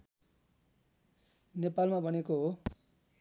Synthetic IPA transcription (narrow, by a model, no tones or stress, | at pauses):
nepalmabʱʌnekoɦo